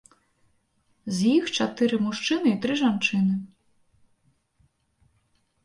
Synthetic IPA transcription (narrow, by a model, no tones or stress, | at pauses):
zʲjixt͡ʃɐt̪ɪɾɪmuʃt͡ʃɪnɪit̪ɾɪʒant͡ʃɪnɪ